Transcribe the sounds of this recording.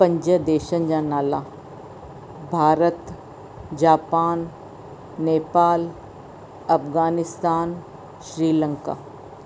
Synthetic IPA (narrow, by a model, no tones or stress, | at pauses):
pə̃ɲd͡ʒəd̪eːʃənd͡ʒaːnaːlaː | bʱaːɾət̪ | d͡ʒaːpaːn | neːpaːl | ɐpɡaːnɪst̪aːn | ʃɾiːlə̃ŋka̰ː